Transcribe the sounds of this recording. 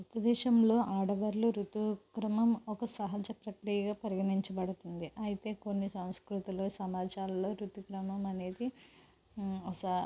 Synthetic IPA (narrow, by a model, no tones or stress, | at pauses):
ut̪ːɐd̪ɛːʃɐmlo̞ːʔaːɽɐʋɐɾluɾut̪ukɾɐmɐmɔkɐsɐɦɐd͡ʒɐpɾɐkɾijɐɡaːpɐɾiɡɐɳiɲt͡ʃɐbɐɽut̪und̪iʔɐjit̪e̞ːko̞nːisɐ̃w̃skɾut̪iloːsɐmaːt͡ʃaːlɐlo̞ːɾut̪ukɾɐmɐmɐne̞ːd̪i | ɐ